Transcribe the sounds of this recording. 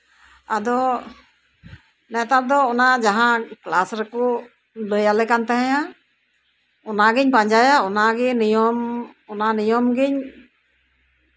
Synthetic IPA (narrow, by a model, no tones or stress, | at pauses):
ad̪ɔ | nɛt̪aɾ̚d̪ɔːnad͡ʒaɦãklasɾɛkɔ | ləjalɛkant̪ɛɦɛ̃ja | ɔnaɡiɲpaɲd͡ʒajaɔnaɡɛnijɔmɔnanijɔmɡiɲ